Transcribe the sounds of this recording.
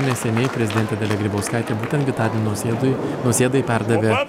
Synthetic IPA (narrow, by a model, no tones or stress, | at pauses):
nʲɛsʲɛnʲeɪpʲɾʲɛzʲɪd̪ʲɛnt̪ʲɛd̪ʲɛlʲɛɡɾʲiboʊskɑˑɪt̪ʲeːbuːt̪ʲɛnt̪ɡʲɪt̪ɑːɾʲɪnʲnnʊsʲeːd̪ɐjɪpʲɛɾd̪ɐʋʲeː